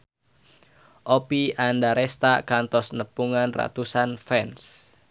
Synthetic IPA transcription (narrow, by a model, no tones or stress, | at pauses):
ʔopiʔandaɾest̪akant̪ɔsnəpuŋanra̰t̪usanfɛns